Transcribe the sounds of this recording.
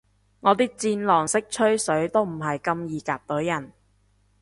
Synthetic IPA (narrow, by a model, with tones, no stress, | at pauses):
ŋɔː˨˧t̪iː˥k̚t͡siː˧nlɔː˨˩ŋsɪ˥k̚t͡ʃʰɵ˥ɥsɵ˨˥ɥt̪o˥wm̩˨˩ɦɐ˨jkɐ˧mjiː˨˧kaː˧p̚t̪ɵ˨˥wjɐ˨˩n